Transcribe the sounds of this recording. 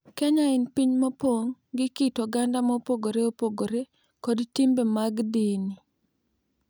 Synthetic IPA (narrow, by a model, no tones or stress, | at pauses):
kɛɲaɪnpiɲmopoŋɡɪkitɔɡandamopoɡoɾeopoɡoɾe | kodtimbemaɡdini